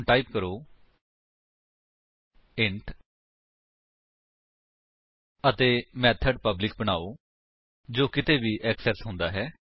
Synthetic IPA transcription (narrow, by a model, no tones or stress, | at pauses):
ʈaːiːp̚kəɾoː | ɪɳʈ | ət̪eːmɛːt̪ʰəɖpəblɪk̚bəɽ̃aːoː | d͡ʒoːkɪt̪eːʋiːʔɛːksɛsɦʊ̃nd̪aːɦɛː